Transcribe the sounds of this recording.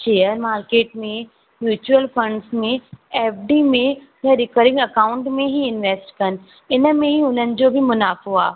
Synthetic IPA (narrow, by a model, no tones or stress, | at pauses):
ʃeːəɾmaːɾkeːʈmẽ | mjuːt͡ɕuəlfɐ̃ɳɖsmẽeːfɖiːmẽ | jɐ̃ɾɪkəɾɪ̃ŋɡɐkaːʊ̃ɳʈmẽɦiɪnʋeːsʈkɐn̆ | ɪnə̆mẽɦiʊn̤ənɪ̆d͡ʑobʱɪmʊnaːfoaː